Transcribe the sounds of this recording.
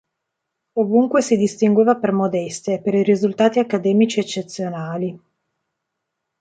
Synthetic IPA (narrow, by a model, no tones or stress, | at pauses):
ovuŋkwesid̪ist̪iŋɡweːvapermod̪ɛst̪eːpeɾirizult̪aːt̪iakːad̪ɛːmit͡ʃiet͡ʃːet̪sjonaːli